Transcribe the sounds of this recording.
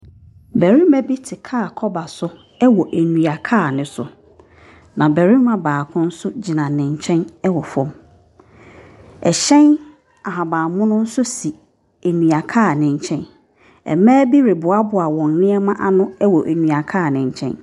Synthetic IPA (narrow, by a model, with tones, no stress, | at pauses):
bæ˨ɾi˦mɛ˦bi˦tʰɪ˨kʰaː˦˨kʰɔ˦ba˨sʊ˦ | ɛ˦wɔ˨ʔæ˨nũ˨a˨kʰaː˦˨nɪ̃˨sʊ˨ | nã˨bæ˨ɾĩ˦mã˨baː˨kʰʊ̃˦n̩˦sʊ˦d͡ʑi˨nã˨nɪ̃˨ɲ˨t͡ɕʰɛ̃˦nɛ˦wɔ˨fɔ̃˦m | ɛ˨ɕɛ̃˦n | a˨ɦã˨baː˨mʊ̃˦nʊ̃˦n̩˦sʊ˦si˨ | æ˨nũ˨a˨kʰaː˦˨nɪ̃˨ɲ˨t͡ɕʰɛ̃˦n | ɛ̰˨mæ̃ː˦bi˦ɾɪ˨bʊ˨a˦bʊ˨a˨wɔ̃˨nnɪ̃˦ɛ˦mã˦ʔa˦nʊ̃˦ɛ˦wɔ˨ʔæ˨nũ˨a˨kʰaː˦˨nɪ̃˨ɲ˨t͡ɕʰɛ̰̃˦n